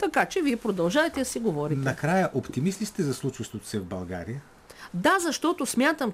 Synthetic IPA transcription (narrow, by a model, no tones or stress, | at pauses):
t̪ɐkat͡ʃɛviɛpɾod̪ɐlˠʒavɛt̪ɛd̪ɐsɛɡovɔɾʲinɐkɾajəʔopt̪imislʲist̪ɛzɐslˠut͡ʃəst̪vot̪o̥sɛvbɐlˠɡa̰ɾijə | d̪azɐʃt̪ɔt̪osmʲjat̪əm